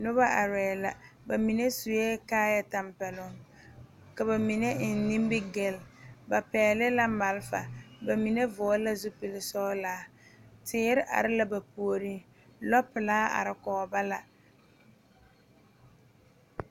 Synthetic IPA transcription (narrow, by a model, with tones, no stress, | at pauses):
nʊ˦ba˦a˨ɾɛː˨la̰˨ba˨mi˨ne˦su˨jɛː˦kaː˦ja˦ta˨mpɛ˨lʊ˦ŋ | ka˨ba˨mi˨ne˦˨n˨˦nĩ˦m˦bɪ˦ɡɛ˨lba˨pɛː˨lɪ˦la˦ma˨lfa̰˨ba˨mi˨ne˦vʊ˨ɔ˦la˦zʊ˦pɪ˨lɪ˨sɔ˦laː˨˦tɪː˦ɾɪ˦ʔa̰˨ɾɪ˦la˦ba˨pu˨o˨ɾi˦ | lɔ˦pɪ˨laː˦a̰˨ɾɪ˨kɔː˨ba˦la˨